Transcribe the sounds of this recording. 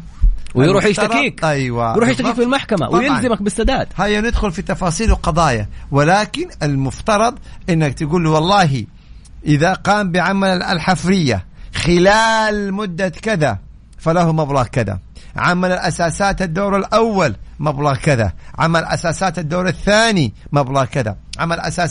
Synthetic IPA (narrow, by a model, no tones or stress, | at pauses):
wjɾuːħjɪʃt̪aɾˤiːkʔajwajɾuːħjɪʃt̪akiːkfilmaħkama̰wjɪlzɪmak̚bɪsːad̪aːd̪̥hajːanɪd̪xʊlfit̪ɑfɑːsˤiːlwqɑd̪ˤɑːja̰wɪlaːkɪnɪlmʊft̪ɑɾˤɑd̪ˤʔɪnːakt̪ɪɡuːlwɑlˤːɑːɦi | ʔɪðaqɑːmbɪʕamalla̰lħafɾɪjːa̰xɪlaːlmʊd̪ːakɪða | falahumablɑːɣkɪða̰ʕa̰malɪlʔasaːsaːt̪ad̪ːoːɾalʔawːalmablɑːɣkɪða̰ʕa̰malʔa̰saːsaːt̪ad̪ːoːɾaθːaːnimablɑːɣkɪða̰ʕamalʔa̰saː